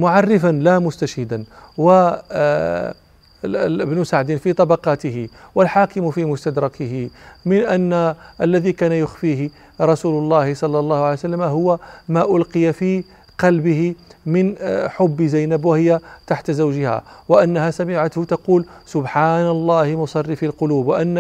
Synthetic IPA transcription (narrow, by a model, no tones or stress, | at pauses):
mʊʕɑrːɪfanlamʊst̪aʃhɪd̪anwa | bnʊsaʕd̪ɪnfit̪ˤɑbɑqɑːt̪ɪɦɪwəlħaːkɪmfimʊst̪ad̪ɾˤɑkɪɦɪmɪnʔænːæʔælːæðiːkæːnajʊxfiːɦɪ | ɾˤɑsuːlʊlˤːɑːhɪsˤɑlːɑlˤːɑːhʊʕalijsalːæmaɦʊwːamaːʔʊlqɪjafiː | qɑlbɪhɪmɪnħʊbːzajnæbwahɪjːat̪aħt̪azawʒɪhæ̰ːwɪʔənːaɦæsæmɪʕat̪hʊt̪ɑquːlsʊbħaːnɑlˤːɑːhmʊsˤɑrːifilqʊluːbwʔænː